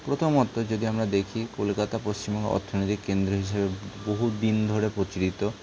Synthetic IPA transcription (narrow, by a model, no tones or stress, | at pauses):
pɾot̪ʰomɔt̪ːod͡ʑod̪iamɾad̪ekʰikolkat̪apost͡ɕimbɔŋḛɔ̰ɾt̪ʰːonojt̪ikkend̪ɾoɦiʃebeboɦud̪ind̪ʱoɾepɾot͡ɕiɾit̪o